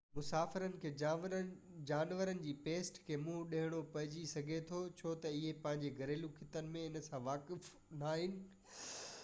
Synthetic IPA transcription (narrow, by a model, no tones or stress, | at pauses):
mʊsaːfɪɾənɪ̆kʰeː | d͡ʑaːnʋəɾənɪ̆d͡ʑiːpeːsʈkʰeːmũɗeɦɪɽ̃opɐɦɪd͡ʑisɐɡʱet̪ʰot͡ɕʰoːt̪ɐɪɦepɐ̃ɦɪ̃ɲd͡ʑeɡʱɐɾeːlukʰɪt̪ənɪ̆mẽɪnsãʋaːkɪf | naːɦɪnɪ̆